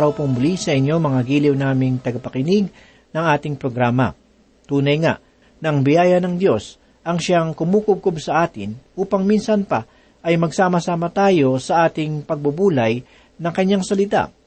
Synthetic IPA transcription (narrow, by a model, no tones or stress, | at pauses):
ɾɐwpʊŋbʊlisɐʔɪɲjo̞mɐŋaɡiːlɪwnaːmɪŋt̪ɐɡɐpɐkɪnɪɡ̚ | nɐŋʔaːt̪ɪŋpɾoɡɾaːmɐ̰ | t̪uːnɐjŋa̰ʔ | nɐʔɐŋbɪjaːjɐnɐŋd̪jo̞s | ʔɐŋʃaŋkʊmuːkʊb̚kobsɐʔaːt̪ɪnʔuːpɐŋminsɐnpɐ | ʔɐjmɐɡsaːmɐsaːmɐt̪aːjo̞sɐʔaːt̪ɪŋpɐɡ̚bʊbuːlɐj | nɐŋkɐɲːaŋsɐlɪt̪a̰